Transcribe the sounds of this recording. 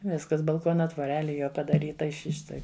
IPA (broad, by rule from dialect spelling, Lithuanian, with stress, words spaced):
ˈʋʲɪskɐs bɐlˠˈkoːnɐ tʋoːˈrʲæːlʲɪ ˈjoː pɐdɐˈrʲiːtɐ ˈɪ ˈʃʲɪ ˈʃtɐɪ